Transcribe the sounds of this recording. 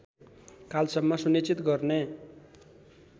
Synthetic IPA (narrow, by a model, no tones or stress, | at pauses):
kalsʌmːʌsunit͡sit̪ɡʌrne